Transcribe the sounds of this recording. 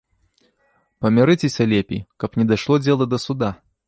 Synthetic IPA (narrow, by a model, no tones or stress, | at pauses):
pɐmʲiɾɨt͡sʲɛsʲɐlʲɛpʲḭkɐpnʲɛd̪aʂlˠɔd͡zʲɛlˠɐd̪ɐsud̪a